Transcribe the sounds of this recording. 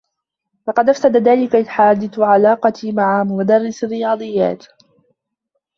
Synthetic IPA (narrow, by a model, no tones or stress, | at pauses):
lɑqɑd̪ʔafsad̪aðaːlɪkaħaːd̪ɪθʕalɑːqɑt̪imaʕamʊmad̪ɑɾˤːɪsɪrːɪjɑːd̪ˤɨjːa̰ːt̪